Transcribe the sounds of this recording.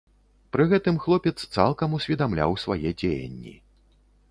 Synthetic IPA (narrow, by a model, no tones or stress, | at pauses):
pɾɨɣɛt̪ɨmxlˠɔpʲɛt̪st̪salˠkɐmusʲvʲid̪amlʲa̰wsvajɛd͡zʲejɐ̰nʲːḭ